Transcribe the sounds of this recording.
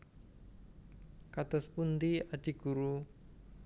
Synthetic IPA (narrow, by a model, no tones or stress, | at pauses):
kat̪ʊspund̪iad̥i̤ɡ̥uɾu